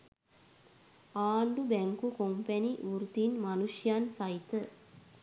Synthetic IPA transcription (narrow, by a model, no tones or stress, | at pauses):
aːɳɖubæŋkukompɛniuɾt̪inmanuʂjansait̪ə